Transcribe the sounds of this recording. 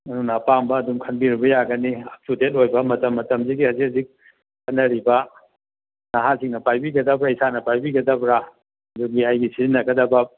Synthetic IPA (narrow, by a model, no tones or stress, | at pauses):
ɐnunapambɐːdumkʰɐnbiɾibɐjaɡɐniɐp̚tutet̚ojbɐmɐtɐmːɐtɐmziɡihɐzizik̚ | kʰɐnːɐɾibɐ | naɦasiŋnɐpajbiɡɐdɐbɾaisanɐpajbiɡɐdɐbɾa | ɐduɡiajɡisiinːɐɡɐdɐbɐ